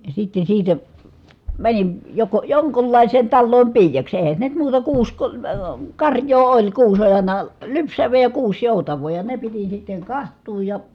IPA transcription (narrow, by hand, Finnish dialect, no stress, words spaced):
sitːen̞ siːtæ mænin joko joŋkulːɑˑi̯seːn tɑlːoːm piːjɑks eˑhæ se nyt muːtɑ kuːs ko əː kɑrjˑoː olʲ kuːs olʲ ɑˑi̯nɑ lypsæʋˑeː jɑ kuːs joˑutɑʋˑoː jɑ ne piti sitːeŋ kɑhtˑuːj jɑ